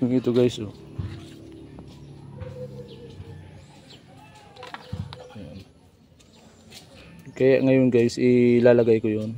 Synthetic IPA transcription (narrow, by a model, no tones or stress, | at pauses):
ʊŋit̪ʊɡajso | jan | kajaʔŋajʊnɡajsʔɪlalaɡajkʊjon